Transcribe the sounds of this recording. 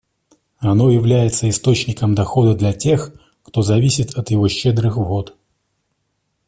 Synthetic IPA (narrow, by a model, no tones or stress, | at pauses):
ɐnojɪvlʲæjɪt̪səɪst̪o̞t͡ɕnʲɪkəmd̪ɐxo̞d̪əd̪lʲɐtʲe̞x | kt̪ozɐvʲisʲɪt̪ɐt̪jɪvoɕːɛd̪ɾɨxvot̪